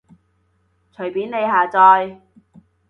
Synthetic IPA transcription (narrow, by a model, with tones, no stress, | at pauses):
t͡ʃʰɵ˨˩ɥpiː˨˥nne˨˧jɦaː˨t͡sɔː˧j